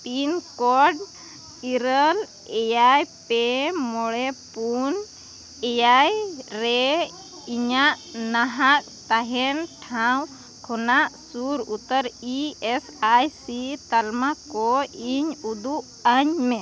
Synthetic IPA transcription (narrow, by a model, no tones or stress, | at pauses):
pinkɔɖ | iɾəl | ɛjajpɛmɔɽɛpun | ɛjajɾɛ | iɲaʔnaɦak̚t̪aɦɛnʈʰaw̃ | kʰɔnaʔsuɾut̪əɾiɛsajsit̪almakɔiɲud̪uʔ | əɲmɛ